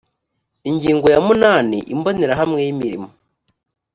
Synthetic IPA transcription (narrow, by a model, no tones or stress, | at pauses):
iɲɟiːŋɡo̞jamunaːnḭʔimboniɾaɦamŋe̞jimiɾḭmo